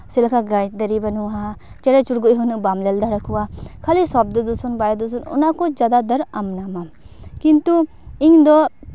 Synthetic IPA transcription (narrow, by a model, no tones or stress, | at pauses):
silakʰaɡajt̚d̪əɾibanuwaɦa | t͡ʃeɾat͡ʃuɾɡujɦɔnuʔbamlɛld̪aɾakʰuwakʰalisab̚d̪ɔd̪usɔnbajd̪usɔnɔ̰nakɔd͡ʒad̪ad̪əɾamnama | kint̪u | iŋd̪ɔ